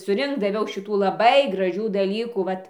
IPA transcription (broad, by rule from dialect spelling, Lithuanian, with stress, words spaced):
sʊˈrʲɪŋkt dɐˈʋʲɛʊ ˈʃʲɪtuː lˠɐˈbɐɪ ɡrɐˈʒʲuː dɐˈlʲiːkuː ˈʋɐt